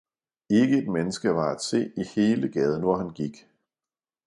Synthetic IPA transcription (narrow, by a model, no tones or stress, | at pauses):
e̝ɡ̥əe̝d̥menəsɡ̥əʋɑ̈æd̥se̝̰ːihe̝ːləɡ̥ɛːð̞ˠən̩ʋɒhænɡ̥iɡ̥